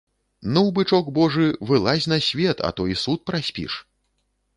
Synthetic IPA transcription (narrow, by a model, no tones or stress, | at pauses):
nɐwbɨt͡ʂɔɡbɔʐɨvɨlˠasʲnɐsʲvʲɛt̪ɐ̰t̪ɔjisut̪̚pɾasʲpʲḭʂ